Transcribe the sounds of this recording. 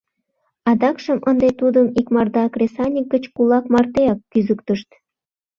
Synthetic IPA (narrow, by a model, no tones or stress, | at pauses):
ɑd̪ɑkʃəmʔənd̪et̪ud̪əmikmɑrd̪ɑkrʲesɑnʲik̚ɡət͡ɕkulɑkmɑrt̪eɑkːyzəkt̪əʃt̪